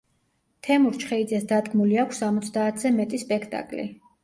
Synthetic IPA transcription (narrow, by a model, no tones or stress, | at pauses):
t̪ʰɛmuɾt͡ʃʰχɛid̪zɛsd̪ad̪ɡmuliakʷʰsːamɔt̪sʰd̪aːt̪ʰz̥ɛmɛt̪ʼispʼɛkʰt̪ʼa̰kʼlḭ